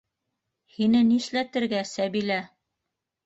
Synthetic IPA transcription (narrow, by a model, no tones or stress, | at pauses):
hinɘniʃlæt̪ɘ̆ɾɡæsæβilæ